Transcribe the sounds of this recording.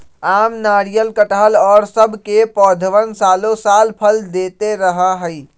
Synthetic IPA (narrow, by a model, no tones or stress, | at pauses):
aːmnaːɽijəlkəʈaɦəlɔːɾsəbʱkepɔːd̪ʱəʋənsaːlosaːlpʰəld̪eːt̪eɾəɦaɦəi